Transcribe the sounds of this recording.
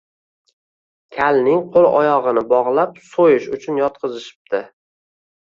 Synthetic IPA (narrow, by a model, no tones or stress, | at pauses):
kʲʰalnɪŋqʰolˠɒ̰jɒʁɨnɪbɒʁlˠapsojɪʃʊt͡ʃʰʊnjɒt̪̚qʰɨzɪʃɪ̥p̚d̪ɪ